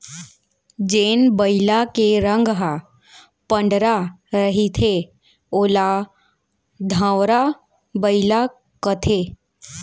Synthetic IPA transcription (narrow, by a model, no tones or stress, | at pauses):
d͡ʒeːnbəɪlakeɾə̃ŋɡɦa | pə̃ɳɖɾaɾəɦit̪ʰe | oːla | d̪ʱãːwɾa | bəɪla | kət̪ʰeː